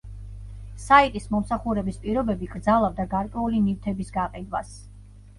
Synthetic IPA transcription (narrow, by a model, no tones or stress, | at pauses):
sait̪ʼismɔmsaχuɾɛbispʼiɾɔbɛbiɡɾd̪zalˠavd̪aɡaɾkʼwɛulinift̪ʰɛbisɡaqʼid̪wa̰s